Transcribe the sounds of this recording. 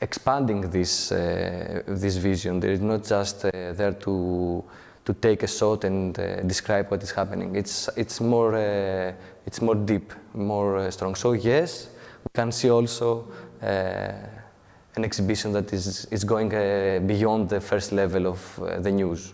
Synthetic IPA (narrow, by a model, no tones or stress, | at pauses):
ekspãnd̪ĩŋðis | ðis̬viziõnðḛɾiznot̪̚d͡ʒast̪ðeɾt̪ʰu | t̪ut̪ejkesot̪ẽnd̪iskɾajbwot̪iz̥hapẽnḭ̃ŋɡitsitsmoɹ | itsmoɾd̪ipmoɹst̪ɾõŋɡsojeswikãnsiolso | ãneksibiʃõnðɐt̪izizɡoĩŋɡbijõnd̪ðəfeɾst̪levelovðeɲuz